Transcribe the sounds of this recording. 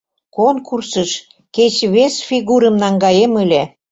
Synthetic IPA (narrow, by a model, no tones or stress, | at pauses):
konkursəʃ | ket͡ɕβesfʲiɣuɾə̆mnɑŋɡɑjeməlʲe